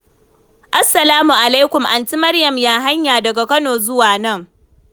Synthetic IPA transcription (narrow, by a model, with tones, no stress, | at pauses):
ʔa˦sːɐ˨laː˦mu˨ʔa˨la˦jkʷʊ˨mʔa˨nt͡ʃi˦mɐ˦rjɐ˨mjaː˨ɦa˦ɲjaː˨dɐ˨ɡa˨kɐ˦noː˨zʊ˦waː˨nɐ˦˨ŋ